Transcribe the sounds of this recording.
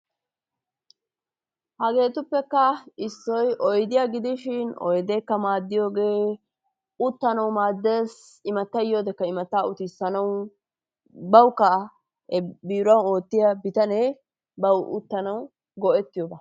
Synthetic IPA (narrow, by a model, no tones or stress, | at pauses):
hɐɡe̞ːt̪ʊpːɛkːɐɪsːɔjʔɔjd̪ɪjaɡɪd̪ɪʃɪnɔ̰jd̪ɛkːɐmaːd̪ːɪjo̞ːɡe̞ː | ʊt̪ːɐnɐwmaːd̪ːe̞ːs | ɪmɐt̪ːɐjːo̞ːd̪ɛkːɐɪmɐt̪ːaːʊt̪ɪsɐnɐw | bɐwkːɐ | biːɾɐwo̞ːt̪ːɪjɐbɪt̪ɐne | bɐwʔʊ̰t̪ːɐnɐw | ɡɔʔɛt̪ːɪjobɐ